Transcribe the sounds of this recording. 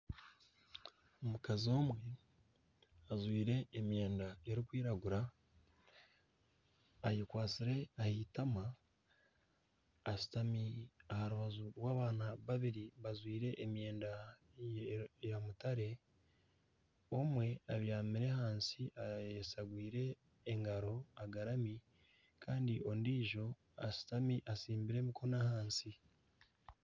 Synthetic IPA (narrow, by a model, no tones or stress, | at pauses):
omukazio̞ːmwe̞ | azwiːɾe̞ːmje̞ːndaeɾikwiːɾaɡuɾa | jikwaːt͡siɾe̞ahitama | si̥tamiahaɾuβazuɾwaːβaːnaβaβiɾiβazwiːɾe̞ʔːmje̞ːnda | jamutaɾe̞ | o̞mwe̞aβjaːmiɾe̞haːnsiʔajesaɡwiːɾe̞ː | ŋɡaɾo̞aɡaɾami | kʰaːndiʔo̞ndiːʒo̞ | a̰si̥tamiʔasiːmbiɾe̞ːmikʰo̞nahaːnsi